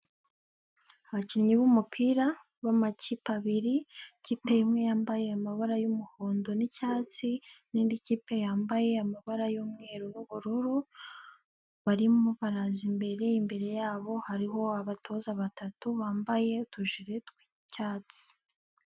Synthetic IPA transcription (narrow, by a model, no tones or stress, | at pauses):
aβaciɲiβumupʰiːɾa | βamacipaβiɾiciːpe̞jimŋe̞jaːmbaje̞amaβaɾajumuhoːndo̞nicaːt͡siniːndiciːpe̞jaːmbaje̞amaβaɾajomŋe̞ːɾonuβuɾuɾu | βaɾimoβaɾazimbe̞ɾe̞jimbe̞ɾe̞jaːβo̞haɾiɦo̞aβatʰo̞zaβatatuβaːmbaje̞utuʒiɾe̞tkwi̥ | caːt͡si̥